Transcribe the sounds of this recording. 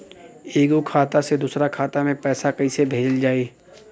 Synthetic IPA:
eːɡukʰaːt̪ased̪uːsɾakʰaːt̪amẽpɛːsakɐisebʱeːd͡ʒəld͡ʒaːeː

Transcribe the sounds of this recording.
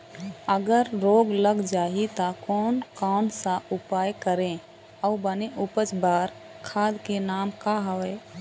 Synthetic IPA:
əɡəɾɾoːɡləɡd͡ʒaːit̪akɔːnkaːnsaʊpaːjkəɾẽ | ɔbəneʔʊpət͡ʃbaːɾ | kʰaːd̪kenaːmkaɦɐʋeː

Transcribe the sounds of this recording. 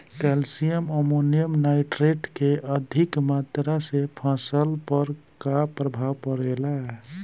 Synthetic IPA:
kɛlsijəməmonijəmnaɪʈɾeʈkeʔəd̪ʱikmat̪ɾasepʰasəlpəɾ | kapɾəbʱawpəɾelaɛ

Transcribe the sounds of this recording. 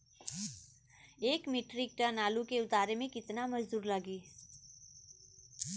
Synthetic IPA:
eːkmiʈɾik̚ʈənaːlukeʊt̪aːɾemẽkɪt̪namɐd͡ʒd̪uːɾləɡiː

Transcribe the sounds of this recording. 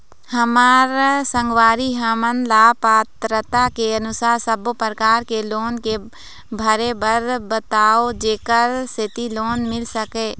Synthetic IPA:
həmaːɾsə̃ŋɡwaːɾiɦəmənlaːpaːt̪ɾət̪akeənʊsaːɾsəbopəɾəkaːɾkeloːnke | bʱəɾebəɾbət̪aːod͡ʒeːkəɾst̪ʰɪt̪iloːnmɪlsəkeː

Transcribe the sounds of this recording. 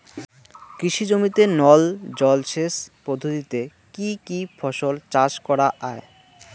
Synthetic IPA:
kɾiʃid͡ʑomit̪enɔld͡ʑɔlʃespɾod̪ʱot̪it̪e | kikifʰɔʃolt͡ɕaʃkɔɾaʔae

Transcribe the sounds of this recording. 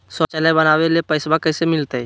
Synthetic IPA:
sɔt͡ʃələbənaːwelepəɪsbakəɪsemɪlt̪eɦɛ

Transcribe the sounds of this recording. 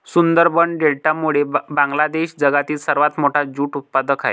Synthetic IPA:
sund̪əɾbəɳɖelʈamuɭebãŋɡlad̪eɕd͡zəɡat̪iːlsəɾʋat̪moʈʰad͡zuːʈut̪̚pad̪əkʰa̰j

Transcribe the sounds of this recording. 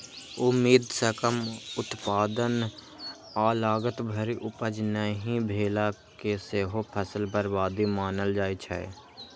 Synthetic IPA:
ʊmːiːd̪səkəmʊt̪paːd̪ən | aːlaːɡət̪bʱəɾiʔʊpəd͡ʒnəɦĩbʱeːlakeseːɦopʰəsəlbəɾbaːd̪imaːnəld͡ʒaːit͡ʃʰɛ̰ː

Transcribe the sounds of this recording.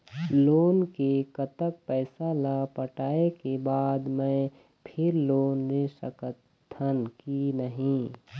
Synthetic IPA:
loːnkekət̪ək̚pɛːsalapəʈaːekebaːd̪mɛ̃ | pʰɪɾloːnːesə̰kət̪ʰːənkinəɦĩ

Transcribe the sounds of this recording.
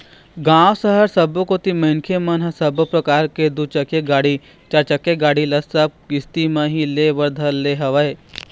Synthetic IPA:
ɡãːʋsəɦəɾsɐbokot̪imɐnkʰemɐnɦɐsɐbpɾɐkaːɾked̪ut͡ʃɐkeɡaːɽi | t͡ʃaːɾt͡ʃɐkːeɡaːɽilɐsɐb̚ɡɪst̪imɐ̃ɦileʋɐɾd̪ʱəlːeɦɐʋəe

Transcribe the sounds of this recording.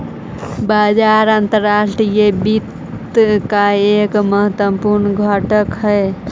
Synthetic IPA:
bad͡ʒaɾant̪əɾaʃʈɾijebit̪ | kaekməɦət̪əpuɾnɡʱəʈəkɦəe

